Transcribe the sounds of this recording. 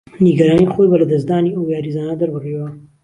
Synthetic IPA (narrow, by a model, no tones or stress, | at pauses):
niɡɐɾɑnixojbalad̪as̬d̪ɑniawjɑɾizɑnad̪aɾbarewa